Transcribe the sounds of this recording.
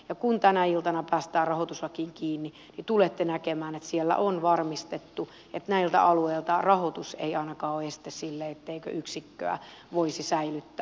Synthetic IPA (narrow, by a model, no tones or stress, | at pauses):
jɑkunt̪ænæilt̪ɑnɑpæːst̪æːrɑhot̪usʋɑkiːŋkiːnːi | nit̪ulet̪ːenækemæːnet̪sielːæ̰ʔonʋɑrmist̪et̪ːu | et̪næilt̪æ̰ʔɑlueilt̪ɑrɑhot̪usḛiɑinɑkɑːoest̪essilːeet̪ːeikø̰ʔyksikːø̰æ̰ʋoisisæilyt̪ːæː